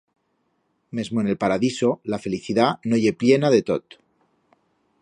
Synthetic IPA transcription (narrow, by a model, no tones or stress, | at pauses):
me̞zmo̞ene̞lpaɾaðiso̞lafe̞liθiðanoʝe̞ple̞naðe̞t̪o̞t̪